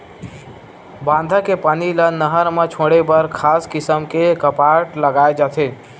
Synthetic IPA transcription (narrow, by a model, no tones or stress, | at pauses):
bãːnd̪ʱəkepaːnilənəɦəɾmẽt͡ʃʰoɽebəɾkʰaːskɪsəmkekəpaʈləɡaːed͡ʒat̪ʰe